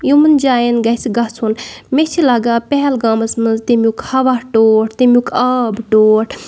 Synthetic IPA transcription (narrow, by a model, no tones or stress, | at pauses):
jumɨnd͡ʒaːjinɡɐsɡɐsʰunmet͡ʃʰilaːɡaːpɛɦɛlɡaːmɐsmɨnzt̪emʲukhɐʋaʈoːʈʰt̪emʲukʰabʈoːʈʰ